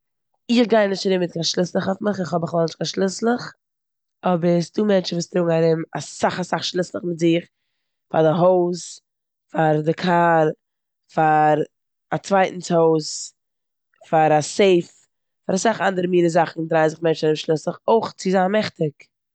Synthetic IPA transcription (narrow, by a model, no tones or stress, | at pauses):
ɪχɡaɪnːɪʃtaɾɪmɪt̚kanʃlˠɪslˠəχɔfmɪχɪχhɔbɪχlɔlˠnɪʃtkanʃlˠɪslˠəχ | ɔbəɾsduːmɛnt͡ʃəvuːstɾʊːɡŋ̩aɾɪma̰saχasaχʃlˠɪslˠəχmɪtzɪχ | fa̰ɾdɪɦoʊs | faɾdɪkʰaːɾ | faɾ | at͡svaɪtn̩t͡shoʊs | faɾaseɪf | faɾasaχandəɾəmiːɾəzaχn̩dɾaɪnzɪχmɛnt͡ʃnaɾɪmʃlˠɪslˠəχoɪχt͡sɪzanmɛχtɪk